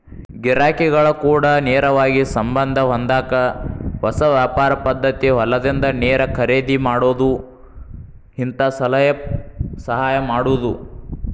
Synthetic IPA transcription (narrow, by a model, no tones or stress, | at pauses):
ɡiɾaːkɛɡɐɭɐkuːɽɐnɛːɾɐʋaːɡisɐmbɐnd̪ʱɐɦond̪aːkɐʋɐsɐʋjaːpaːɾɐpɐd̪ːɐt̪iɦɐlɐd̪ind̪ɐneːɾɐkʰɐɾeːd̪imaːɽoːd̪u | ɦint̪ɐsɐlɐjɐsɐɦaːjɐmaːɽuːd̪u